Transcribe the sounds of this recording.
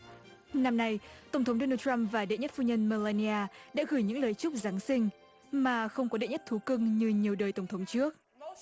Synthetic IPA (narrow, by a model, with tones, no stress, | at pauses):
na˧mna˧jt̪ə˧˩wŋ͡mt̪ʰə˨˦ŋ͡mɗoɔ˧nəː˧tt͡ɕa˧mvaː˨˩ɗḛ˧˨ɲə˦˥t̚fu˧ɲə˧nməː˧laː˧ni˧aː˧ɗa̰ː˧˥ɣɨ˧˩jɲɨ̰˧˥ŋləː˨˩jt͡ɕʊ˦˥k͡p̚zaː˨˦ŋsï˧ŋ̟ | maː˨˩xə˧wŋ͡mkɔ˨˦ɗḛ˧˨ɲə˦˥t̚t̪ʰu˨˦kɨ˧ŋɲɨ˧ɲi˨˩əwɗəː˨˩jt̪ə˧˩wŋ͡mtʰə˨˦wŋ͡mt͡ɕɨ˦˥ək̚